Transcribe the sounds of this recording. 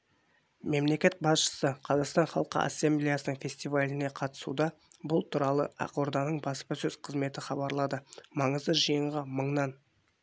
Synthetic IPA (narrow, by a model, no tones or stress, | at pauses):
me̞mle̞kʲe̞t̪̚bɑsʃə̥səqʰɑzɑqst̪ɑnχɑlˠqə̰ʔa̰sːemblijasənəɴfʲe̞sʲt̪ijvalʲɪne̞qʰɑt̪ə̥sṵd̪ɑbʊlˠt̪ʰuɾɑlˠə̰ʔɑ̰qoɾd̪ɑnəɴbɑspəsɵzqʰəzme̞t̪ɪχɑbɑɾlˠɑd̪əmɑɴəzd̪əʒijəɴʁɑməɴnɑn